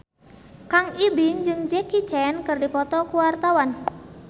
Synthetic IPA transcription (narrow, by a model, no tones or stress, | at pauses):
kaŋibɪŋd͡ʒɨŋd͡ʒɛkit͡ʃɛnkɨrdipɔt̪ɔkuwart̪awan